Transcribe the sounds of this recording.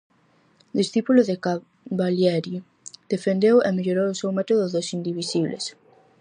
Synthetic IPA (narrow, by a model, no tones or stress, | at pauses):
d̪isθipulʊðeka | βaljɛɾju | d̪̥efend̪ewɛmeʎoɾowosewmɛt̪oðʊðosind̪iβisiβlḛs